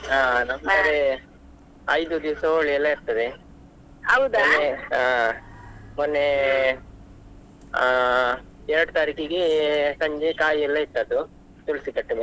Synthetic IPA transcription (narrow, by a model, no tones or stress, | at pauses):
aːnɐmɐɾe | ɐjd̪ud̪iʋsɐoɭijɐlːɐiɾt̪ɐd̪e | ɐwd̪nːea | monːe | ɛɾɐɽut̪aːɾikiɡesɐɲd͡ʒekaːjiɛlːɐit̪ːɐd̪u | t̪uɭsikɐʈːɐbɐ